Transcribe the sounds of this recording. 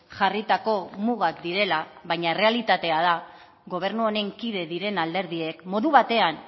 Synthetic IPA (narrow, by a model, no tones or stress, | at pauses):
ʝarit̪ako̞muɣ̞akd̪iɾe̞laβajɲaere̞alit̪at̪e̞að̞a | ɣo̞β̞e̞ɾnuoɾe̞ŋkiðe̞ðiɾe̞nald̪e̞ɾð̞ie̞kmo̞ðuβat̪e̞an